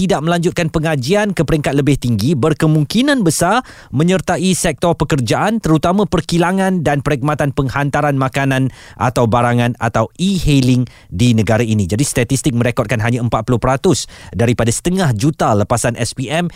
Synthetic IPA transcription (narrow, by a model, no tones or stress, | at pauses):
t̪idaʔ̚məlaɲd͡ʒʊt̪̚kanpəŋad͡ʒiankəpəɾiŋkat̪̚ləbɪht̪iŋɡibərkəmũŋkinãnbəsar | mə̃ɲərt̪aʔisɛk̚t̪ɔrpəkərd͡ʒaʔant̪əɾut̪amãpərkilaŋãndanpəɾik̚mat̪anpəŋhant̪aɾanmakanãnʔa̰t̪awbaɾaŋãna̰t̪awihelɪŋ | dinə̃ɡaɾainĩd͡ʒadist̪at̪ist̪ɪk̚mə̃ɾekɔt̚kanɦaɲaəmpat̪̚pulʊhpəɾat̪ʊsdaɾipadasə̥t̪əŋahd͡ʒut̪aləpasanʔɛspiɛm